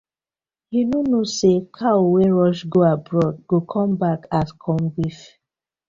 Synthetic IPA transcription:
hinonosekʰaowɛɹɔʃɡoabɹɔd̚ɡokʰɔ̃mbakaskʰɔ̃mbif

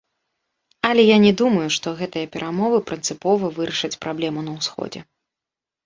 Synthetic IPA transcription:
ɐlʲɛjanʲɛd̪umɐjuʂt̪ɔɣɛt̪ɨjɐpʲɛɾʔamɔvɨpɾɨnt̪sɨpɔvɐvɨɾɐʂɨt͡sʲpɾʔablʲɛmunɐwsxɔ̰d͡zʲɛ̰

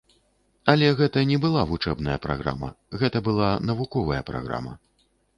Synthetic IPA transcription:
ɐlʲɛɣɛt̪ɐnʲɛbɨlˠavut͡ʂɛbnɐjɐpɾa̰ɣɾa̰mɐ̰ | ɣɛt̪ɐbɨlˠanɐvukɔvɐjɐpɾa̰ɣɾa̰mɐ̰

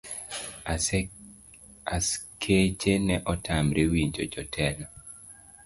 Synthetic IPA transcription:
askʰet͡ʃenɛʔɔtʰamɾewiɲd͡ʒod͡ʒɔtʰɛnɔ

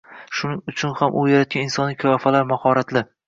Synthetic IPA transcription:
ʃʊnɪŋʊt͡ʃʰʊnhamʔʊjaɾat̪̚ɡʲanɪnsɒnlɪkʰajɒfalaɾmahɒɾat̪lɪ

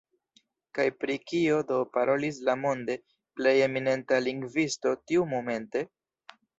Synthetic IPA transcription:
kajpɾikio̞do̞paɾʔo̞lis̬lamo̞nde̞ | ple̞je̞mine̞ntaliŋɡvisto̞tiumo̞me̞nte̞

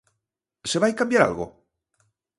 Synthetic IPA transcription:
seβajkambjaɾa̰lɣo̰

